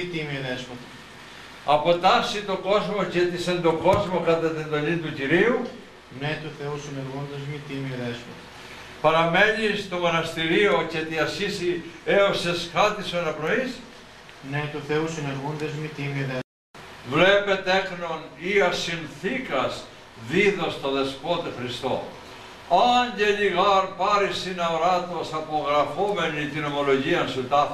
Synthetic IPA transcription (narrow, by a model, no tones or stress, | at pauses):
it̪imioðesmɐt̪i̥ | ɐpo̞t̪ɐsit̪o̞ko̞zmo̞cet̪isend̪o̞ko̞zmo̞kɐt̪ɐt̪ind̪o̞lint̪uciɾiu | net̪uθeusineɾɣund̪ezmit̪imioðesmɐt̪ | pɐɾɐme̞nist̪o̞mo̞nɐst̪iɾio̞cet̪iɐsçisieosesxɐt̪isoenɐpno̞is | net̪uθeusineɾɣund̪ezmit̪imiðe | vlepet̪e̞xnoniɐsinθikɐs | ðiðost̪oðeskot̪exɾist̪o̰ | ɐɲɟeʎiɣɐɾpɐɾisinɐoɾɐt̪o̞sɐpoɣɾɐfome̞nit̪ino̞mo̞lo̞ʝiɐnsut̪ɐ